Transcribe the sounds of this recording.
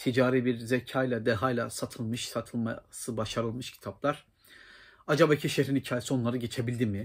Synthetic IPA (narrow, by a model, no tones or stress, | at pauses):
t̪ʰid͡ʒaːɾiːbiɾzecʰaːjlʲˠad̪eɦajlʲˠasat̪ʰɯlˠmɯʃsat̪ʰɯlˠmasɯbaʃaɾɯlˠmɯʃcʰi̥t̪ʰaplˠaɾ̥ | ad͡ʒabaicʰiʃeɦɾinicʰaːjesionˠaɾɯɟe̞t͡ʃʰe̞bilʲd̪imɪ